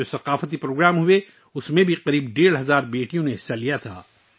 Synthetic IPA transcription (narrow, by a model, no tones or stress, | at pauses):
osɐqaːfət̪ipɾoːɡɾaːmɦʊe | ʊsmẽbʱiqɐɾiːbɖeːɽɦɐzaːɾbeːʈijõneɦɪsalijat̪ʰa̰ː